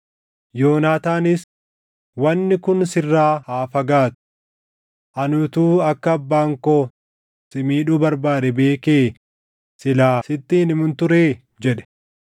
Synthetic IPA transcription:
joːnaːt̪aːnɪs | wɐnːɪkʊnsɪrːaːhaːfɐɡaːt̪ʊ̥ | ʔɐnʊt̪uːɐkːɐːbːaːŋkoː | sɪmiːᶑuːbɐɾbaːd̪ɛbe̞ːkeː | sɪlaːsɪt̪ːinɪmʊnt̪ʊɾeː | d͡ʒɛᶑɛ̥

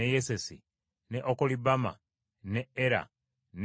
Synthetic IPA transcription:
ejesesi | neʔokolibama̰ | neeɾa̰ | n

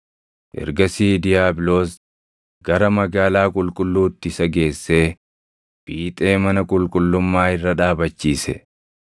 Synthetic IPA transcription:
ʔɛ̰ɾɡɐsiːd̪ɪjaːbɪloːs | ɡ̥ɐɾɐmɐɡaːlaːkʼʊlkʼʊlːuːt̪ːɪɪsɐɡe̞ːsːe̞ː | b̥iːt̪ʼe̞ːmɐnɐkʼʊlkʼʊlːʊmːaːɪrːɐᶑaːbɐt͡ʃːiːsɛ

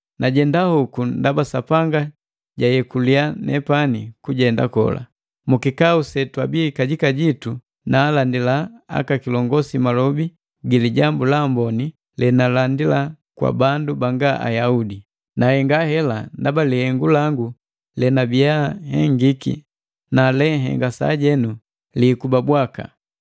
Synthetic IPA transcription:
naɟɛndahukundabasapaŋɡa | ɟajɛkulianɛ̰panikuɟɛnda̰kɔ̰la̰ | mukikausɛtwabikaɟikaɟitu | naːlandilaa̰kakilɔŋɡɔsimalɔbi | ɡiliɟambulambɔni | lɛnalandila | kwa̰bandubaŋɡaʔa̰jaudi | nahɛŋɡahɛlandabalihɛŋɡulaŋɡu | lɛnabiahɛŋɡikḭ | nalɛɦɛ̰ŋɡasa̰ɟɛnu | likubabwaka̰

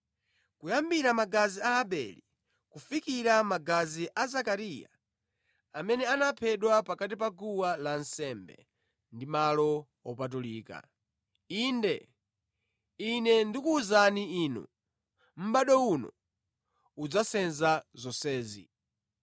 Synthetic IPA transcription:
kujambiɾamaɡaziaɦaɓɛ̰lḭ | kufikiɾamaɡaziʔazakaɾija̰ | amɛnɛanapʰɛɗwapakat̬ipaɡuwalansɛmbɛ̰ | ndimalɔ | ɔpat̬uliːka̰ | indɛ | inɛndikuːzaniinṵ | m̩ɓaɗɔunɔ̰ | ud͡zasɛnzazɔsɛːzḭ

